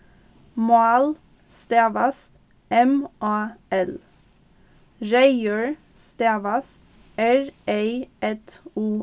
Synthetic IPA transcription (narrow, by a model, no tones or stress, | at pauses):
mɑl | st̪eːʋɑst̪ | ɛmʔɑːɛl | ɾæɪəɹ | st̪eːʋɑst̪ | ʔæɹʔeɪʔɛt̪uː